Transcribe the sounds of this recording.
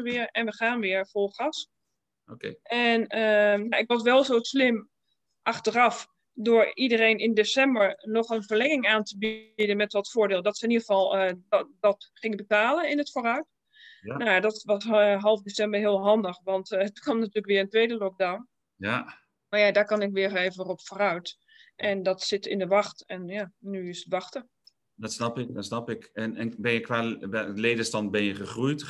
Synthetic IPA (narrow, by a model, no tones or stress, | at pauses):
əʋɪəɹɛnʋəχaːnʋɪəɹvolˠχas | okeʔɛnəjaɪkʋɔsʋɛlˠzowslɪm | ʔɑχtərɑf | dʊːɹidərejnɪndesɛmbəɹnɔχənvəɹlɛŋɪŋaːntəbidənmɛtʋɔtfʊːɹdɪːlˠdɔtsəɪniɣəvɑlˠədɑtχɪŋəbətaːlənɪnətfoːrœɥt | najadɔtʋɔsɦɑlˠvdesɛmbəɹɦɪəlˠɦɑndəχʋɑntətkɔmnatyːləkʋɪərəntʋeːdəlɔk̚dawn | ja | maɹjadaːkɔnɪkʋɪəreːvənrɔpfoːrœɥt | ʔɛndɔtsɪtɪ̰ndəʋɑxtɛnjaːyɪsətʋɑxtə | dɔtsnɑpɪk̚dɔtsnɑpɪkɛnɛnbɛnjəkʋaːɛleːdəstɑnt̚bɛnjəχəχrujt